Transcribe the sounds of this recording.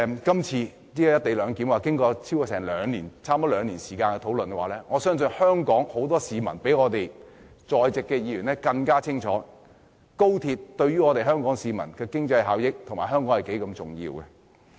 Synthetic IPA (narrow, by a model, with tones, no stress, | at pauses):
kɐ˥mt͡sʰiː˧ | liː˥ja˨˧jɐ˥t̚t̪e˨jlœː˨˧ŋkiː˨˥mwaː˨kɪ˥ŋkɔː˧t͡sʰi˥wkɔ˧sɛː˨˩ŋlœː˨˧ŋniː˨˩nt͡sʰaː˥mɔ˥lœː˨˧ŋniː˨˩nsiː˨˩kaː˧nkɛ˧t̪ʰo˨˥wlɵ˨nkɛ˧waː˨˩lɛː˥ŋɔː˨˧sœː˥ŋsɵ˧nhœː˥ŋkɔː˨˥ŋho˨˥wt̪̬ɔː˥siː˨mɐ˨˩npe˨˥jŋɔː˨˧t̪e˨j | t͡sɔː˨jt͡sɪ˨kːɛː˧jiː˨˧jɥyː˨˩nɛ˥kɐ˧ŋkaː˥t͡sʰɪ˥ŋt͡ʃʰɔ̰ː˨˥ | ko˥wt̪ʰiː˧t̚t̪ɵ˧ɥɥyː˥ŋɔː˨˧t̪e˨jɦœː˥ŋkɔː˨˥ŋsiː˨mɐ˨˩nkɛː˧kɪ˥ŋt͡sɐ˧jɦaː˨wjɪ˥k̚t̪ʰʊ˨˩ŋmaː˨˩ɦœː˥ŋkɔː˨˥hɐ˨jke˨˥jkɐ˧mt͡sʊ˨ŋjḭː˧wkɛ̰˧